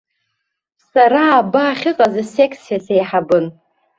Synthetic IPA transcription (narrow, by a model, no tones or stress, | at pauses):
saɾaːbaːχʲɪqʼazasekʰʼsijasejħabɨn